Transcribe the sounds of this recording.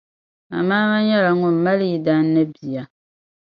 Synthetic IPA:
ma̰˨maː˦ma˦ɲɛ˦la˨ŋʊ˦˨m˦ma˦lji˨da˦nː˦ɨ˦bi˨ja˨

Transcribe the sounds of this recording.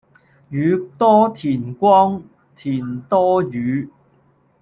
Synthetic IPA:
jyː˨˧˥t̪ɔː˥t̪ʰiː˨˩nkʷɔː˥ŋ | t̪ʰiː˨˩nt̪ɔː˥jyː˨˦

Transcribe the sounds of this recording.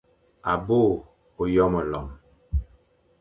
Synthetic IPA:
a˨bo˦˨ | o˨jɔ˦mə˨lɔ˨m

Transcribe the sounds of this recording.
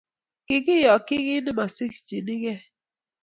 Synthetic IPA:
kɪ˨ɣɪ˦jɔ˨kɪ˦ɣɪ˦ni˦ma˨si˦kt͡ʃi˨ni˦ɣe˦

